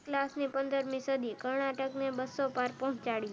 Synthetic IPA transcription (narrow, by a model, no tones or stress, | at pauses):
klasnipənd̪əɾmĩsəd̪ʱikəɾɳaʈəknebəsːopaɾpɔ̃ɦt͡ʃaɽjĩ